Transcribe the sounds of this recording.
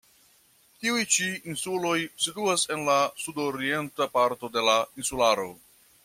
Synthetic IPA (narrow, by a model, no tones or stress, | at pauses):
tiujt͡ʃiinsulo̞jsituase̞nlasudoɾie̞ntapaɾto̞de̞lainsulaɾo̞̰